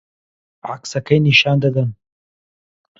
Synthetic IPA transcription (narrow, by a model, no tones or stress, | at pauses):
ʕa̰ksɐkʰɐjniʃaːnd̪ɐd̪ɐn